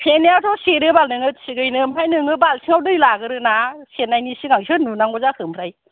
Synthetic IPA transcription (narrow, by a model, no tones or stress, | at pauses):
pʰeneawtʰɔseɾɯbalnɯŋɯsiɡɯjnɯmpʰajnɯŋɯbalsʰiŋawdɯjlaɡɯɾɯnasenajnisiɡaŋsʰɯnunaŋɔzakʰɯmpʰɾaj